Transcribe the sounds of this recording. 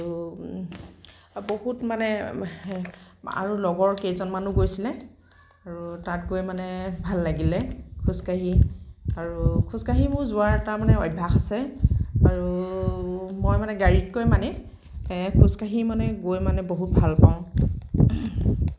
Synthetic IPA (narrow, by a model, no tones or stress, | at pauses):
u | boɦutmanɛ | a̰ɹulɔɡɔɹkejzɔnmanuɡojsilɛ | aɹutat̚ɡojmanɛbʱalːaɡilɛkʰuskaɦiaɹukʰuskaɦimʊɹzʊaɹɛtamanɛɔjbʱaxasɛaɹu | mɔjmanɛɡaɹitkojmanɛ | kʰuskaɦimanɛɡojmanɛboɦut̚bʱalpaʊ̃